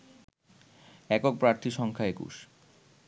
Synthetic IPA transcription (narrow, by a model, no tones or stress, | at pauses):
ɛkok̚pɾaɾt̪ʰiʃɔŋkʰaekṵʃ